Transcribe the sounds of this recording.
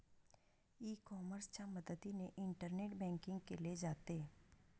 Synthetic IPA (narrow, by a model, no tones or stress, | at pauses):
iːkɔːməɾst͡ʃaməd̪əd̪ineʔɪ̃ɳʈəɾneːʈbɛ̃ːŋkɪ̃ŋɡkeled͡ʒaːt̪e